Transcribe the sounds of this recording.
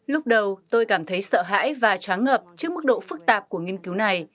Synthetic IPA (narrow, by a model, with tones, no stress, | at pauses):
lʊ˦˥k͡p̚ɗə˨˩wt̪o˧jkaː˧˩mt̪ʰə˨˦jsə̰ː˧˨ɦa̰ː˧˥jvaː˨˩t͡ɕaː˨˦nŋəː˨˩p̚t͡ɕɨ˦˥ək̚mɨ˦˥k̚ɗo̰˧˨fɨ˦˥k̚t̪aː˨˩p̚ku˧˩əŋi˧ənki˨˦wna˨˩j